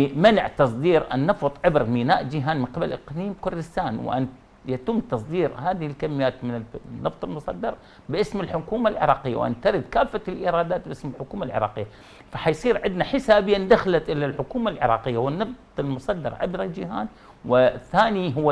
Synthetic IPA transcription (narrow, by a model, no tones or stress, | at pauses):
manɪʕt̪ɑsˤd̪iːɾʔa̰nːɑft̪ˤʕɪbɾmiːnaːʔd͡ʒɪɦaːnmɪnqɪbalʔɪqliːmkʊɾd̪ɪst̪aːnw̰ʔa̰n | jat̪ʊmːt̪ɑsˤd̪iːɾhaːðɪhɪlkamːɪjːaːt̪mɪnɪnːɑft̪ˤɪlmʊsˤɑd̪ːɑɾˤ | bɪʔɪsmɪlħʊkuːmalʕɪ̰ɾˤɑːqɪjːa̰wʔa̰nt̪aɾɪd̪kaːfːalʔiːɾˤɑːd̪aːt̪̚bʔɪsmɪlħʊkuːmalʕɪ̰ɾˤɑ̰ːqɪjːa | faħajsˤiːɾʕɪd̪naħɪsaːbɪjːand̪axalat̪ʔɪlalħʊkuːmalʕɪ̰ɾˤɑ̰ːqɪjːawɪnːɑft̪ˤɪlmʊsˤɑd̪ːɑ̰ɾʕɪ̰bɾad͡ʒɪhaːn | wɪθaːniɦʊwːa